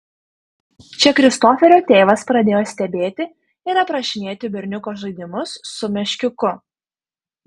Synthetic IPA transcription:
t͡ʃʲɛkɾʲɪst̪oːfʲɛɾʲoːt̪ʲeːʋɐspɾɐd̪ʲeːjoːsʲt̪ʲɛbʲeːt̪ʲɪ | ɪɾɐpɾɐʃʲɪnʲeːt̪ʲɪbʲɛɾʲnʲʊkoːʒɐɪd̪ʲɪmʊsːʊmʲɛʃʲkʲʊkʊ

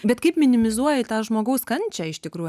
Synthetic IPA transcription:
bʲɛt̪kɐɪpmʲɪnʲɪmʲɪzuɔjɪt̪ɑːʒmoːɡɐʊskɐnʲt͡ʃʲɛɪʃt̪ʲɪkɾuːj

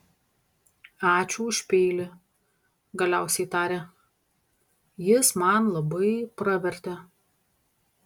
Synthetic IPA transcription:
ɑːt͡ʃʲuːʊʃʲpʲeːlʲɪ | ɡɐlʲæˑʊsʲɛɪt̪ɑːɾʲɛ | jɪsmɐnlˠɐbɐɪpɾɐʋʲɛɾʲt̪ʲɛ

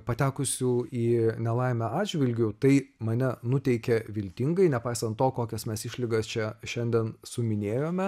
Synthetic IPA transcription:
pɐt̪ʲæːkʊsʲuːiːnʲɛlˠɐɪmʲɛɑːd͡ʒʲʋʲɪlʲɡʲʊt̪ɐɪmɐnʲɛnʊt̪ʲɛɪkʲɛʋʲɪlʲt̪ʲɪŋɡɐɪnʲɛpɐɪsɐnt̪toːkoːkʲɛsmʲɛsɪʃʲlʲɪɡɐst͡ʃʲɛʃʲɛnʲd̪ʲɛːnsʊmʲɪnʲeːjoːmʲɛ

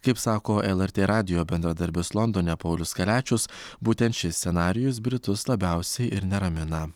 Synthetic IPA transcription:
kɐɪpsɑːkoːʔɛlˠɛɾʲt̪ʲeːɾɑːd̪ʲɪjoːbʲɛnd̪ɾɐd̪ɐɾʲbʲɪslˠɔnd̪oːnʲɛpɐʊlʲʊskɐlʲæːt͡ʃʲʊsbuːt̪ʲɛnt̪ʃʲɪsʲsʲɛnɑːɾʲɪjʊs̬bʲɾʲɪt̪ʊslˠɐbʲæʊsʲɛɪʔɪɾnʲɛɾɐmʲɪnɐ

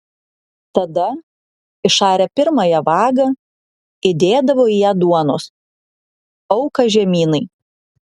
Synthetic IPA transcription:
t̪ɐd̪ɐ | ɪʃɑːɾʲɛpʲɪɾmɐjɛʋɑːɡɐ | ɪd̪ʲeːd̪ɐʋoːijæːd̪uɔno̰ːs | ɐʊkɐʒʲɛmʲiːnɐɪ

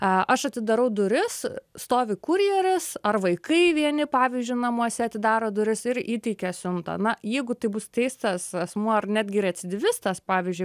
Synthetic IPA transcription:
ɐʔɐʃɐt̪ʲɪd̪ɐɾɐʊd̪ʊɾʲɪsst̪oːʋʲɪkuɾʲijɛɾʲɪsɐrʋɐɪkɐɪʋʲiɛnʲɪpɑːʋʲizʲd͡ʒʲʊɪnɐmuɔsʲɛɐt̪ʲɪd̪ɑːɾoːd̪ʊɾʲɪsɪɾiːt̪ʲɛɪkʲɛsʲʊnt̪ɐ̰nɐjɛɪɡʊt̪ɐɪbʊst̪ʲɛɪst̪ɐsɛsmuɔɐrnʲæd̪ʲɡʲɪɪɾɐt̪ʲsʲɪd̪ʲɪʋʲɪst̪ɐspɑːʋʲizʲd͡ʒʲʊɪ

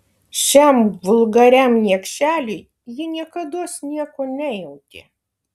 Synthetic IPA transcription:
ʃʲæmʋʊlˠɡɐɾʲæmnʲiɛkʃʲæːlʲʊɪ | jɪnʲiɛkɐd̪uɔsnʲiɛkoːnʲɛjɛʊt̪ʲɪ̰

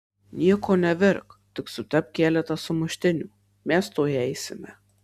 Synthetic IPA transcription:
nʲiɛkoːnʲɛʋʲɪɾkt̪ʲɪksʊt̪ʲɛpkʲæːlʲɛt̪ɐsʊmʊʃʲt̪ʲɪnʲuː | mʲɛst̪oːjɛɪsʲɪmʲɛ

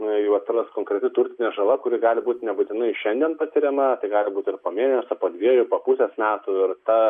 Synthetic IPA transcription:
jt̪rɐskoːŋkɾʲɛt̪ʲɪt̪ʊɾʲt̪ʲɪnʲɛːʒɐlˠɐkʊɾʲɪɡɑːlʲɪbuːt̪ʲnʲɛbʊt̪ʲɪnɐɪʃʲɛnd̪ʲiɛnpɐsʲɪɾʲɛmɐt̪ɐɪɡɑːlʲɪbuːt̪ɪrpoːmʲiːnʲɛsʲɐpoːd̪ʲʋʲiɛjʊpoːpusʲɛsmʲæːt̪ʊɪrt̪ɐ

